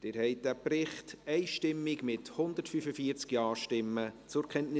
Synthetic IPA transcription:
d̥ɪːɾhɛɪt̚d̥æːprɪχtɛɪʃtɪmːɪɡmɪthʊnd̥̪əɾtfyfəfiəɾt͡skjɑːʃtɪmːət͡sʊɾkʰɛntnɪ

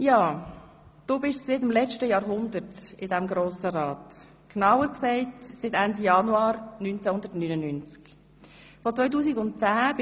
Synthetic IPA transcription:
jɑː | d̥uːbɪʃsɪtɪmlɛt͡ʃtəjɑːɾɦʊnd̪əɾtɪdɛmɡɾoːsəɾɑːt | knɑwəɾksɛɪtsɪtɛndijɑnuɑːɾnynt͡sɛhʊnd̪əɾtnyːnənynt͡sk | fɔt͡sʋœʏt̬uːsiɡʊnt̚t͡sæːb

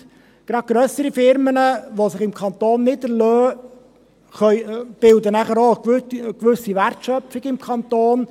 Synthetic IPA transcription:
ɡ̥ɾɑt̚ɡ̥ɾœsəɾifɪɾmənəʋosɪχɪmkʰɑnt̪oːnːɪdəɾlœː | χœʏb̥ɪldənæχəɾoːɡtɡ̥ʋʏsiʋærtʃœfɪɡ̥ɪmkʰɑnt̪oːn

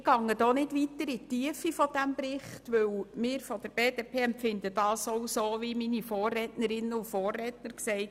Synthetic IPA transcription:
ɡ̥ɑŋːədoːnɪdʋitəɾɪtːiəfifɔd̥æmbɾɪχtʋɵwmɪːɾfɔd̥əɾb̥eːdepʰeːɛmpfɪndəd̥ɑːsɔwsoːʋiminifoːrrɛːtnəɾɪnːəufoːrɛːtnəɾksɛɪt

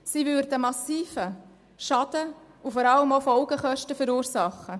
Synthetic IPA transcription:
siːvʏɾdəmɑsiːfə | ʃɑd̥̪ə | ufɔɾɑləmofɔlɡəχœʃtəfəɾuːɾsɑχːə

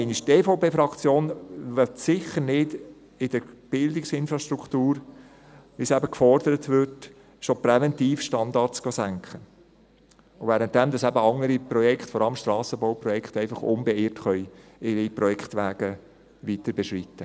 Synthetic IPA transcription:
ɛɪniʃteːfoʊpeːfɾɑkt͡sjoːnʋɛtsɪχəɾnɪd | ɪd̥əɾb̥ɪldɪksɪnfɾɑʃtɾuktuːɾ | ʋɪsæbəkfɔɾdəɾətʋʏɾt | ʃopɾɛvɛntiːfʃtɑnd̪ɑɾtt͡sɡ̥ɑsæŋkχə | ʊvɛːɾənt̚d̥ɛmd̪ɑsæbəɑŋəɾiprɔjɛkχtfɔɾɑləmʃtɾɑːsəbɔʊprɔjɛkχt̪ɛɪfɑχʊ̰nbɛɪːɾtχœʏɪɾipɾɔjɛkχt̪ʋæːɡ̥ə | ʋitəɾbɛʃritːə

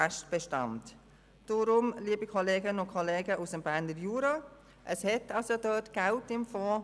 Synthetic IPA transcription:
ɛʃtb̥ɛʃtɑ̰nt | d̥oɾʊmliːbikʰɔleːɡənəʊkʰɔleːɡəʔusəmbæɾnəɾjuːɾɑː | ʔəshɛtɑsodœtɡ̥altɪmfɔː

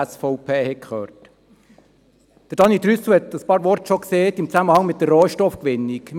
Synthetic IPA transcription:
sfɔʊpʰeːhɛkχøːɾt | d̥əɾd̥ɑnit̪ɾysʊhɛt̪əspɑːɾʋɔɾtʃɔkseːt̪ɪmt͡sæməhɑŋmɪt̚dərroːʃtɔfkʋɪnːikm

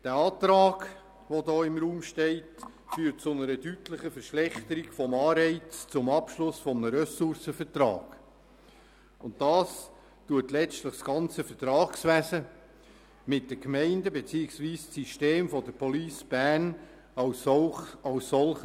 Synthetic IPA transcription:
d̥ɛːɑːt̪ɾɑːɡ̥ | ʋɔdɔːɪmɾuːmʃtɛɪt | fyːɾt̚t͡sʊnəɾədytləχəfəɾʃlɛχtəɾiɡfɔmɑːɾɛɪt͡st͡sʊmɑpʃlʊsfɔmnəɾœsʊɾsəfəɾtɾɑ̰ːɡ̥ | ʊntd̥ɑːs | tuətlɛt͡stləχsɡ̥ɑnt͡səfətɾɑːksʋæsə | mɪt̚d̥əkmɛɪndəbet͡siːɪksʋiːssiʃteːmfɔdəpʰɔliːsb̥æːn | ɑ | ɑwsːɔlχ

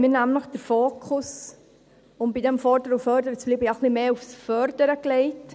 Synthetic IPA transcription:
mɪːnæmnləχd̥əɾfoːkʰʊs | ʊmbidɛmfɔɾdəɾufœɾdəɾət͡sb̥liːbəaχlimeːufsfœɾdəɾəkleɪt

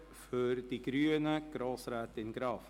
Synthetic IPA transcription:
fʏɾd̥iɡɾyːənəɡ̥ɾoːsɾɛːt̪ɪnɡɾɑːf

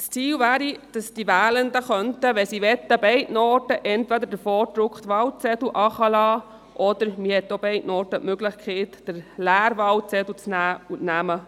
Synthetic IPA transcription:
st͡siːlvæːɾid̥ɑsd̥iʋæːlənd̪əχœntəʋɛsiʋɛt̪ːəbɛɪtnɔːtəʔɛnt̪ʋɛd̪əɾdəfɔːɾd̪ɾʊkχt̪ʋɑwt͡sɛduʔɑχɑlɑː | ʔɔd̪əɾmihɛt̪ːobɛɪtnɔːɾtətmøɡlɪχkʰeːtd̥əɾlæːɾʋɑwt͡sɛdut͡snæːutnæmə

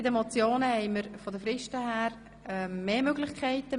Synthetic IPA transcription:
ɪdəmɔt͡sjoːnəhɛɪməɾfɔdəfɾɪʃtəhæːɾ | ɛːeːmøɡlɪχkʰɛɪtə

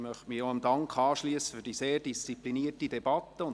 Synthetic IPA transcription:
mœχtmioəmdɑŋkχɑːʃliəsə̥fʏɾd̥iseːɾdist͡sipliniətidɛb̥ɑt̪ːəʊn

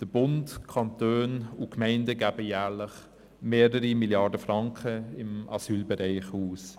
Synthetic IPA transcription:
d̥əbʊntkʰɑntøːnukmɛɪndəɡæːbəjæːɾlɪχ | meːɾəɾimiljɑːdəfɾɑŋkχəɪmɑsyːlbɛɾaɪχuːs

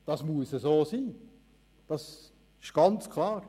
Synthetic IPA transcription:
d̥ɑsmuəsəsoːsiː | d̥ɑs | ɪʃɡ̥ɑnt͡skʰlɑːɾ

